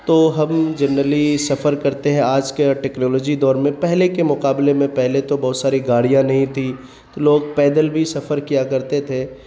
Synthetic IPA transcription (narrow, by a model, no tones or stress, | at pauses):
t̪oːɦɐ̃md͡ʒɐnɾəlisɐfəɾkɐɾt̪eɦɛ̃aːd͡ʒkeʈɛːknɔːlɔːd͡ʒid̪ɔːɾmẽpɛɦlekemʊqaːblemẽpɛɦlet̪obɔːʊt̪saːɾiɡaːɽijãnɐɦĩt̪ʰi | t̪oloːɡpɛːd̪əlbʱisɐfəɾkijakɐɾt̪et̪ʰeː